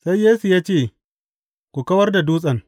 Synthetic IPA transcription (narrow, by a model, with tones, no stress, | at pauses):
sa˦jːeː˦su˨jaː˦t͡ʃeː˦˨ | kʷu˨kɐ˦wɐ˦rda˨duː˦sʼɐ˨ŋ